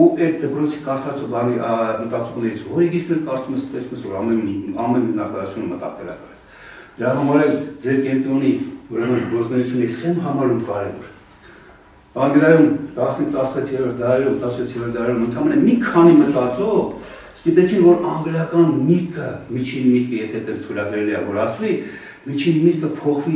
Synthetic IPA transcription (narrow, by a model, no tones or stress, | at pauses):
uʔɛt̪̚d̪əpɾɔt͡sʰi̥kɑɾt̪ʰɑt͡sɔbɑnimət̪ɑt͡sumnɛɾit͡sʰvɔɾiɡit͡sʰnɛɾkɑɾt͡suməst̪ɛsuməsvɔɾɑmɛnɑmɛnnɑkɑut͡sʰjunəmət̪ɑ̰t͡sɛlɑ̰klɛt͡sʰ | d̪əɾɑɦɑmɑɾɛld͡zɛɾkɛnt̪ɾɔniuɾɛmənɡɔɾt͡snɛjut͡sʰjunːɛɾisχɛməɦɑmɑɾumkɑɾɛvɔɾ | ɑŋɡɾɑjumt̪ɑsnit̪ɑsəvɛt͡sʰjɛɾɔɾt̪̚ʰd̪ɑɾɛɾumt̪ɑsvɛt͡sʰjɛɾɔɾt̪d̪ɑɾɛɾumənt̪ʰɑmɛnəmikʰɑnimət̪ɑt͡sɔv | st̪it̪ɛt͡sʰinvɔɾɑŋɡɾɑkɑnmikəmit͡ʃʰinmikəjɛt̪ʰɛt̪ɛnst̪ʰujɾɑɡɾɛliɑvɔɾɑsvi | mit͡ʃʰinmit̪kəpʰɔχvi